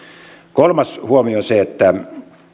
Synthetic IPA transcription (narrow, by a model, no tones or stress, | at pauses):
kolmɑshuomioseet̪ːæ